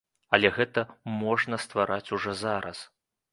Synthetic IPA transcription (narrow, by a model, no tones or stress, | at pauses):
ɐlʲɛɣɛt̪ɐmɔʐnɐst̪vaɾʔat͡sʲuʐɔzaɾɐ̰s